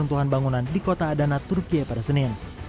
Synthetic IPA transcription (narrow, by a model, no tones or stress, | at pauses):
unt̪uɦanbaŋunandikot̪aːdanat̪urkiapadasənɪn